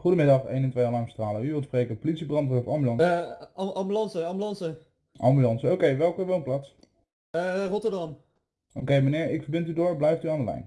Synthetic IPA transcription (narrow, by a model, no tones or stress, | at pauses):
χudəmɪdɑχḛjnɛntʋejaːlɑŋmstraːləyʋɪlˠtsprejkəpolitsibrɑntəfɑmbylɑn | ɑmbylɑnsəɑmbylɑnsə | ʔɑmbylɑnsəowkejʋɛlˠkəʋonplaːts | rɔtəɹdɑm | ʔowkejmənɪːɹɪkfəɹbɪntydʊːɹblɛjftyaːndəlɛ̰jn